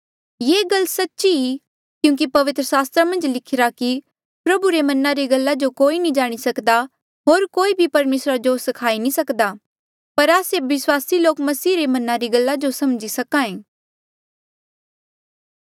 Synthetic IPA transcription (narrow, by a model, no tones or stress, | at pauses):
jeːɡɐlːsɐtːʃii | kjũːk̬ipɐʋɪt̪ɾəsaːst̪ɾamɐ̃nd͡ʒlɪkʰɪɾaki | pɾɐbuɾemɐnaɾiɡɐlːad͡ʒokoːinĩd͡ʒaːɽ̃isɐkd̪a | ɦoːɾkoːibʱipɐɾmeːsɾad͡ʒosɐkʰaːinĩsɐkd̪a | pɐɾaːseʋɪswaːsiloːkmɐsiːɾemɐnaɾiɡɐlːad͡ʒosɐmd͡ʒisɐkãẽː